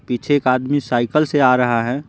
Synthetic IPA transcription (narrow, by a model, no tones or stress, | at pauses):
pit͡ʃʰeeːkaːd̪misaːɪkəlseaːɾɐɦaɦɛː